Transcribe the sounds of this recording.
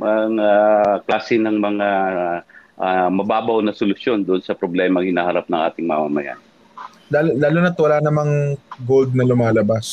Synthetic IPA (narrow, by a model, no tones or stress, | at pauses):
mɐŋaklaːsɪnɐŋmɐŋa | ʔamɐbaːbɐwnɐsʊlʊsjo̞nd̪ʊʔonsɐpɾoblɛːmɐŋhɪnaːhɐɾap̚nɐŋʔa̰ːt̪ɪŋmɐmamɐja̰nɪ | laːlolaːlʊnɐt̪wɐlaːnɐmaŋɡold̪̚nɐlʊmaːlɐbas